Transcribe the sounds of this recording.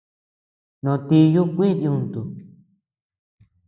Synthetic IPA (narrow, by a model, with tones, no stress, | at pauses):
nõ˧t̪i˧ju˦kʷi˦ði˧ũ˧nt̪u˨